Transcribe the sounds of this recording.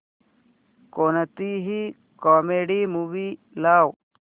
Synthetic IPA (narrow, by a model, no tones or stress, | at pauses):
koːnɐt̪iːɦi | kaːmeːɖimubiː | laːw